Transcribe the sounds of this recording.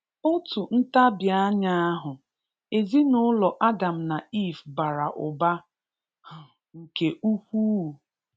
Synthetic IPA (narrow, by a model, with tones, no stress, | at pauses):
ʊ˦tu˨n̩˦ta˦bja˦ɲa˦a˦ɦʊ˨ | e˨zi˦nʊ˦lɔ˨ʔa˦da˨m̩˨na˨i˦˨fba˨ɾa˨ʔʊ˨ba˦˨ | ŋ̩˨ke˨ʔu˦kʷu˦˨